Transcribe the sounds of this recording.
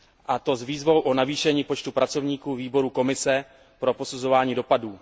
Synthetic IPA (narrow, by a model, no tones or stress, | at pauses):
ʔat̪o̞zviːzvo̞wʔonaviːʃɛɲiːpo̞t͡ʃt̪upɾat͡so̞vɲiːkuːviːbo̞ɾuko̞mɪsɛ | pɾo̞po̞suzo̞vaːɲiːdo̞paduː